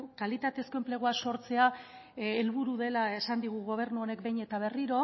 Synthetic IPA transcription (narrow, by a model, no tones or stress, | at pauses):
kalit̪at̪e̞sko̞emple̞ɣ̞oaso̞ɾt͡se̞aelβuɾuðe̞lae̞sand̪iɣ̞uɣo̞β̞e̞ɾnuone̞kbe̞jɲe̞t̪aβe̞riɾo̞